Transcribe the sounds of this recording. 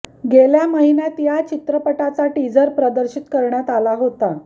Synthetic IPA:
ɡeljaməɦinjat̪jat͡ɕit̪ɾəpəʈat͡saʈid͡zəɾpɾəd̪əɾɕit̪kəɾɳjat̪alaɦot̪a

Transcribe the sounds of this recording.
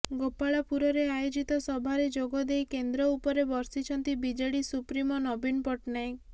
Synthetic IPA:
ɡopaɭapuɾɔɾeajod͡ʒit̪ɔsɔbʱaɾed͡ʒoɡɔd̪ejkend̪ɾɔupɔɾebɔɾsit͡ʃʰɔnt̪ibid͡ʒeɽisupɾimɔnɔbinpɔʈnajk

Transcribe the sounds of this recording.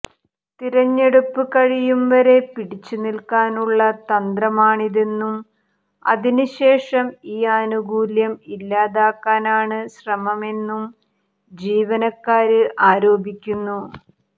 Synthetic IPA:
t̪iɾɐɲːe̞ɽupːɨkɐɻijumʋɐɾe̞piɽit͡ɕːunilkaːnuɭːɐt̪ɐnd̪rɐmaːɳiðe̞nːum | ɐ̰ðinɨɕe̞ːʂɐmiːaːnuɡuːljɐmilːaːðaːkːaːnaːɳɨɕrɐmɐme̞nːum | d͡ʑiːʋɐnɐkːaːɾɨʔaːɾo̞ːbʱikʲːunːu

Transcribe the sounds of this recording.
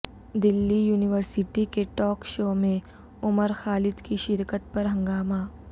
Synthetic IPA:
d̪ɪlːijuːnɪʋəɾsɪʈikeʈɔːkʃoːmẽ | ʊməɾxaːlɪd̪kiʃɪɾkət̪̚pɐɾɦɐ̃ŋɡaːmaː

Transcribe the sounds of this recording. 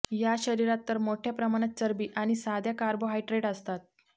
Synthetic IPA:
jaɕəɾiɾat̪ːəɾmoʈʰjapɾəmaɽ̃at̪̚t͡səɾbiːʔaɽ̃isad̪ʱjakaɾboɦajʈɾeɽəst̪at̪̚

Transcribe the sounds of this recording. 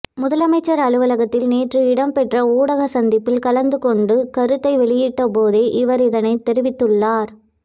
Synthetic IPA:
mʊðɐlɐmɐɪt͡ʃːɐɾɐɭɯʋɐlɐɣɐt̪ːɪlneːʈrɯɪɽɐmpɛʈrɐuːɽɐɣɐsɐnd̪ɪpːɪlkɐlɐnd̪ɯkɔɳɖɯkɐɾɯt̪ːɐɪʋɛɭɪjiːʈːɐpoːðeːʔɪʋɐɾɪðɐnɐɪt̪ːɛɾɪʋɪt̪ːɯɭːaːɾ

